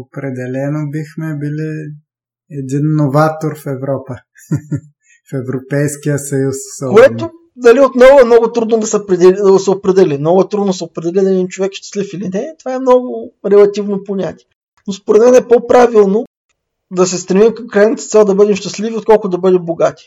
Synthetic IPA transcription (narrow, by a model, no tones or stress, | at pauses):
opɾɛd̪ɛlɛnobixmɛbili | ɛd̪inːovat̪oɾfɛvɾɔpə | fɛvɾopɛjskijəsɐjussɔkoɛt̪o | d̪ɐliot̪nɔvʊɛmnɔɡʊt̪ɾud̪nod̪ɐsɛpɾɛɛd̪sɛopɾɛd̪ɛlimnɔɡʊɛt̪ɾud̪nosɛopɾɛd̪ɛlid̪ɐɛd̪int͡ʃovɛkʃt̪ɐ̥slifilinɛt̪ovaɛmnɔɡʊɾɛlˠɐt̪ivnoponʲat̪ʲiɛ | nospoɾɛt̪mɛnɛpɔpɾavilˠno | d̪ɐsɛst̪ɾɛmimkɐmkɾajnət̪ət̪sɛlˠd̪ɐbɤd̪ɛmʃt̪ɐsliviot̪̚kɔlˠkʊd̪ɐbɤd̪ɛmboɡat̪ʲi̥